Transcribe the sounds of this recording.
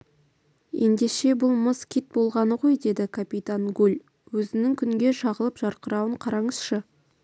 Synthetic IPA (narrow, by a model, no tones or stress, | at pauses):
je̞nd̪e̞ʃe̞bʊlˠməzkʲit̪̚bo̞lˠʁɑnəʁo̞jd̪e̞d̪ɪkʰapʲit̪aŋɡulʲ | wɵzɪnɪŋkʲʰʏŋɡʲe̞ʃɑʁəlˠəpʒ̥ɑɾqəɾɑwəɴqʰɑɾɑɴəz̥ʃə